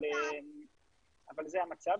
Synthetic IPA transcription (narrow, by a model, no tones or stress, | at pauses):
em | avalzeamat͡sav